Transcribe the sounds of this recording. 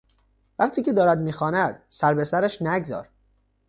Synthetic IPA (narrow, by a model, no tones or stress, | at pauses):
væqt̪ʰiːcʰe̞d̪ɒːɾæd̪miːxɒːnæd̪̥sæɾbe̞sæɾæʃnæɡzɒ̰ːɾ